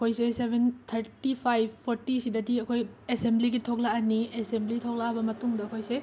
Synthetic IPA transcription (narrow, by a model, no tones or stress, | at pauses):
ɐkʰojsesebʱent̪ʰɐɾtipʰajbpʰoɾtisidɐdiɐkʰojesembliɡitʰok̚laaniesemblitʰok̚laabɐmɐtuŋdɐɐkʰojse